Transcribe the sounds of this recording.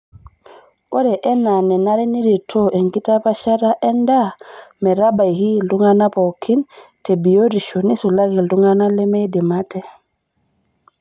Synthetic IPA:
o˦dɛʔɛ˦na˨nɛ˨naɾi˦ni˦ɾi˨tʰoʔe˨ŋkitapa˦ʃa˦ɾaʔɛ˦ndamɛ˨ɾabajhi˦lduŋana˦po˨kːintebijodi˨ʃoni˦su˨laɡi˨lduŋɡana˦lɛ˦me˦jdi˨matɛ

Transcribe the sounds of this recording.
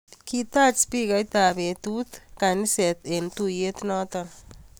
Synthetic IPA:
ki˦t̪a˦t͡ʃspi˦ka˨jt̪a˨be˨t̪u˦t̪ka˨nɪ˦sɛ˨t̪e˨nt̪u˦je˦t̪nɔ˦t̪ɔn

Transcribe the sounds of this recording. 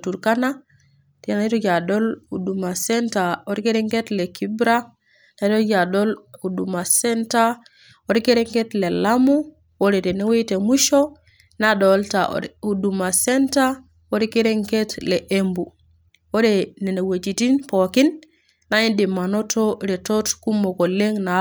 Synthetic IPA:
tuɾkana | ti˨nai˦to˦ɟa˨doluduma˨senta˨oɾike˦ɾeŋke˦tle˨kibɾa | na˨˦to˦d͡ʒa˨dolu˨duma˨senta | woɾi˦ke˦ɾeŋketle˨lamu | wodete˨ne˦we˦te˨muʃo | naɗolta̰u˨du˨ma˨senta˦ | woɾi˦ke˦ɾe˦ŋketle˨ʔembu˨ | wo˦dene˨ne˨we˨t͡ʃi˨ti˦npo˨ki˦nː | ai˦ndi˨ma˨notoɾe˨to˦tku˦mːo˨ko˨le˦ŋna

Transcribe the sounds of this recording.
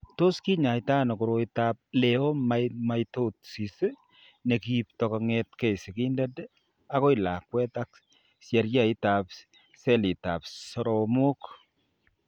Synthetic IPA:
to˦ski˦ɲa˨jtaː˦nɔ˨ku˨ɾo˦itap̚le˨o˦mama˦jto˦t̚si˨se˦ | ne˨kip̚tɔ˨kɔŋɛtke˦jsɪ˨ki˦ndɛd | a˦ko˦i˨la˨kwɛ˦ta˦k | sjɛ˨ɾja˦i˦tap | sɛ˦li˨ta̰˨psɔɾomo˦k

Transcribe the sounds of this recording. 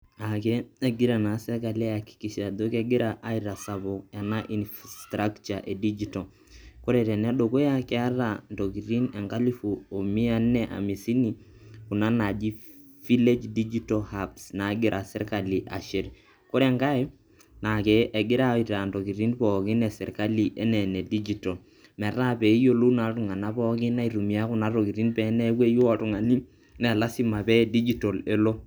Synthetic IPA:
akɛ˦ɛ˨ɡɪ˦ɾa˨na˨˦sɛ˦ɾka˨li˦a˨ki̥˨ki˨ʃa˨d̪o˦kɛ˦ɡɪ˦ɾaʔa˦iɾa˨saβo˨a˨na˦ʔi˨nfstɾa˦kt͡ʃaʔe˨di˦d͡ʒito | ko˦ɾɛ˨tɛ˨nɛ˦ɗoko˦ja˦kɛ˦a˦ɾa˨nto˨ki˨ɾi˦nɛ˨ŋɡa˦li˦fu˨o˨mi˦a˦nɛʔa̰˨mi˨si˦ni˨ku˨na˦na˨d͡ʒi˦ | fi˦le˦d͡ʒdid͡ʒitohapsna˨˦ɡi˦ɾʔa˨sɛ˦ɾka˨li˨ʔa̰˨ʃe˨ɾ | ko˦ɾɛ˦ŋka˦ɛ˦ | na˨kɛ˨ʔe˨ɡɪ˦ɾa˦i˨ta˨nto˨ki˨ɾi˦npɔ˨ki˦nɛ˨sɛ˨ɾka˦li˨ʔe˦nɛ˨ne˨di˦d͡ʒi˦to˨l | mɛ˨ɾa˦pe˨˦jo˦lu˦na˨ɾu˨ŋa˨na˦pɔ˦ki˦na˦i˨ɾu˨mi˨a˦ku˦na˦ɾo˨ki˨ɾi˦npɛ˨˦nɛ˦kwe˦jo˦a˨tu˨ŋa˨ni˦ | nɛ˨la˦si˦ma˨pɛ˦di˦d͡ʒi˦to˨le˦lo˦

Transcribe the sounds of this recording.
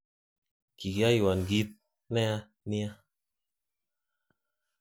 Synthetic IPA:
ki˨ɡja˦i˨wa˨nɡi˦t̪̚ | nɛ˦a˦ | ni˦a˦

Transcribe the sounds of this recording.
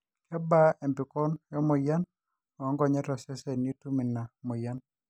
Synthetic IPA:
kɛ˦ba˦ɛ˨mpɪ˨kɔ˦njɔ˦mo˨ja˦n | ɔ˨ɔ˦ŋɡɔ˨ɲɛ˦tɔ˨sɛ˦sɛ˨ni˦tu˦mi˨na˨mo˨ja˦n

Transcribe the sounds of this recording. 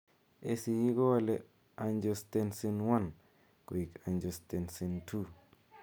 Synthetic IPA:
e˦si˨ji˦ɡo˦a˦lɛ˦ | a˨nd͡ʒɔ˨stɛ˦nsi˦nwa˦n | ko˨i˨ka˨nd͡ʒɔ˨ste˨nsi˨ntʰu˦

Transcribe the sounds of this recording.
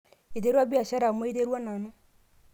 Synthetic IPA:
e˨te˦ɾwa˦βi˦a˨ɕa˦ɾa˨mwe˦te˦ɾwa˦na˨no˦

